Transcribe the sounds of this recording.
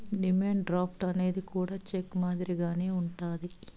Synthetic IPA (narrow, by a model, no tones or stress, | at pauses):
ɖimeːɳɖɾaːp̚ʰʈɐne̞ːd̪ikuːɽaːt͡ʃekːmaːd̪iɾiɡaːne̞ːuɳʈaːd̪i